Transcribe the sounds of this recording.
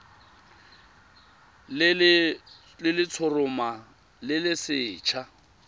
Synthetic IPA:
ll | lɪlɪt͡sʰʊrʊma | lɪlɪsɪːt͡ʃʰa

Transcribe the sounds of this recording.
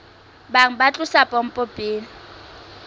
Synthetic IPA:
baŋ̩bat͡ɬʼʊsapʼɔm̩pʼɔpʼeːlɪ

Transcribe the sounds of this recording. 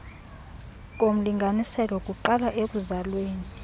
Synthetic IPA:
k̬ʼom̩liŋɡʱanisɛlɔkʼuǃalaʔek̬ʼuzalweːni

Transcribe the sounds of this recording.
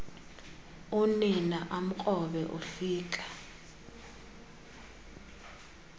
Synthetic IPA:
uninaʔam̩k͡xʼɔɓɛʔufiːkʼḁ

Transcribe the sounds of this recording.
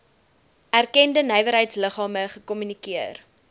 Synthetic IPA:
ʔærkɛndənɛjvəɾɦəjtsləχɑːməχəkɔmynikiər

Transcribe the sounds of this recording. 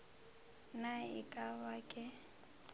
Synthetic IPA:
naɪ̰kʼabakʼɛ

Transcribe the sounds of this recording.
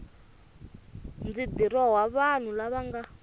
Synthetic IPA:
nd͡zid̪iɾɔɦwaβan̤ulaβaŋɡa

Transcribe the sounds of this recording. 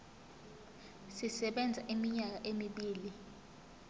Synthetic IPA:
sisɛɓɛnd͡zʱaʔimiɲak̬aʔemiɓiːli

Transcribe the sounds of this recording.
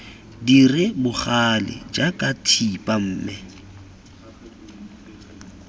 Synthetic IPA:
dirɪbʊχalɪ̰d͡ʒakʼatʰipʼam̩ːmɪ

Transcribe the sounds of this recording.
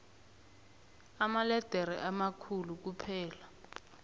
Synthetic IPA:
amalɛd̥ʱɛɾɛʔamakʰuluk̬upʰɛːla

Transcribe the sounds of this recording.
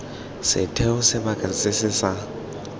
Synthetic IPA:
sɪ̰tʰɛʊsɪbakʼalɪt͡sʼɪsɪsa

